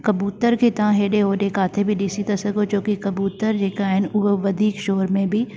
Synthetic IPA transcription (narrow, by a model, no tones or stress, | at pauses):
kəbuːt̪əɾket̪ãɦeːɖeɦoːɾeːkaːt̪ʰebʱiɖisit̪əsəɡɦoːt͡ʃõːkikəbuːt̪əɾd͡ʒeːkaɦɛnʊʋəd̪ʱiːkʃoːɾmẽbʱiː